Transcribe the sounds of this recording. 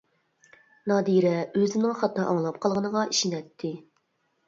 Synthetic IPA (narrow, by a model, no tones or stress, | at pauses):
nɑːd̪iɾɛøzɪnɪŋχɑt̪ːɑʔɑŋlˠɑp̚qʰɑlˠʁənəʁɑi̥ʃinɛt̪ʰːɪ